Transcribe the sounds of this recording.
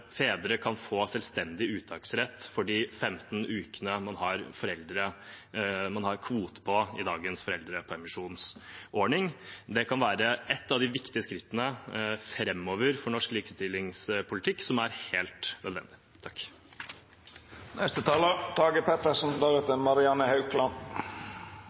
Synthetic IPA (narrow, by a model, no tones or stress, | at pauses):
feːd̪əɾəkʰɑnfoːsɛlst̪ɛnd̪ɪʉːt̪ʰɑːksɾɛt̪ːfɔɖiːfɛmt̪n̩ʉːkənəmɑnhɑɾfɔɾɛld̪ɾə | mɑnhɑɾkʰʋuːt̪ə̥pʰɔɪd̪ɑːɡənsfɔɾɛld̪ɾəpʰɔɛmɪʂuːnsʔɔɳɪŋd̪ɛkʰɑnʋæːɾəʔɛt̪ːɑʋd̪ɪʋɪkt̪ɪəskɾɪt̪ːənəfɾɛmːɔːʋəɾfɔɳɔʂkliːkə̥st̪ɪlːɪŋspʰʊlɪt̪ʰɪkːsɔmæɾheːlt̪nœd̪ʋɛ̰nd̪ɪ | t̪ʰɑkː | nɛst̪ət̪ʰɑːlət̪ʰɑːɡəpɛt̪əʂn̩d̪ɑɾɛt̪əmɑɾɪɑnəhɑʉkʰlɑn